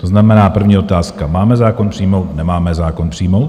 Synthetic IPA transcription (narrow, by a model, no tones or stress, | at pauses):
t̪oznamɛnaːpr̩vɲiːo̞t̪aːskamaːmɛzaːko̞npr̥iːmo̞wt̪nɛmaːmɛzaːko̞npr̥iːmo̞wt̪